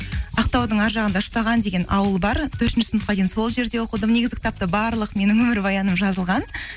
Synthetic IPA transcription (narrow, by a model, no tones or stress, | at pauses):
ɑq̚t̪ɑwd̪əɴɑɾʒɑʁənd̪ɑʃʊ̥t̪ɑʁɑnd̪e̞ɡʲe̞nʔɑwəlˠbɑɾt̪ʰɵɾt̪ɪnʃɪsʊnət̪̚qɑd̪ejnso̞lˠʒe̞ɾd̪e̞wo̞qəd̪əmne̞ɡʲɪzɡʲʰɪt̪ap̚t̪əbɑɾlˠəqme̞nɪŋwɵmɪɾbɑjɑnəmʒɑzəlˠʁɑn